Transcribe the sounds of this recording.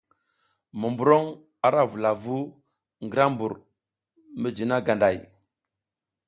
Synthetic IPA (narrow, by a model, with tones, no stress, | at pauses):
mə˨mbu˨ɾo˦ŋ | a˨ɾa˦vu˨la˨vu˦ | ŋɡə˦ɾa˦mbu˨ɾ | mə˦d͡ʒi˨na˦ɡa˨nda˨j